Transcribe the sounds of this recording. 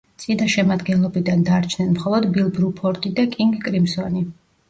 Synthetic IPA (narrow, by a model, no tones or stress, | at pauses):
t̪sʼid̪aʃɛmad̪ɡɛnlˠɔbid̪and̪aɾt͡ʃʰnɛnmχɔlˠɔd̪bilˠbɾupʰɔɾt̪ʼid̪akʼiŋɡkʼɾimsɔni